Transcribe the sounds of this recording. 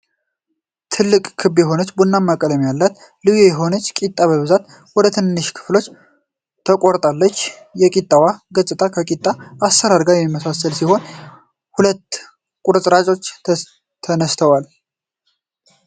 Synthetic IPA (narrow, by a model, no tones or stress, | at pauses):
t̪ʰɨlːɨkʼkʰɨbjɛɦo̞nət͡ʃːbunːamːakʼələmjalːat̪ | lɨjojɛɦo̞nət͡ʃːkʼit̪ʼːaβəβɨzat̪ | wɔd̪ət̪ʰɨnnːɨʃkʰɨ̥flo̞t͡ʃː | t̪ʰəkʼoɾt̪ʼalːət͡ʃː | jɛkʼit̪ʼːawaɡət͡sʼːɨt̪ʼakʰəkʼit̪ʼːaasːəɾaɾɡajɛmiməsasəlsiho̞n | hulət̪ | kʼuɾɨsʼɾat͡ʃʼo̞t͡ʃː | t̪ʰənəst̪ʰəwal